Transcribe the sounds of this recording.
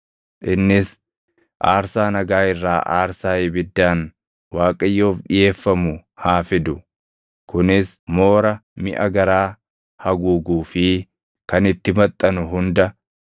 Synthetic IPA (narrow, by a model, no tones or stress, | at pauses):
ʔɪnːɪs | ʔa̰ːɾsaːnɐɡaːɪrːaːʔaːɾsaːjɪbɪd̪ːaːn | waːkʼɐjːo̞ːfᶑɪje̞ːfːɐmʊhaːfɪd̪ʊ | kʊnɪsmo̞ːɾɐmɪ̰ʔɐɡɐɾaː | hɐɡuːɡuːfɪ | kɐnɪt̪ːɪmɐt̪ʼːɐnʊɦʊnd̪ɐ